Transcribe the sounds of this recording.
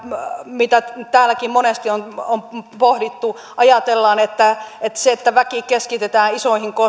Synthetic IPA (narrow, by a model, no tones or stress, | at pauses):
mit̪æt̪æːlːækimmonest̪ionompohdit̪ːu | ʔɑjɑt̪elːɑːnet̪ːæet̪seet̪ːæʋækikeskit̪et̪æːnisoihiŋko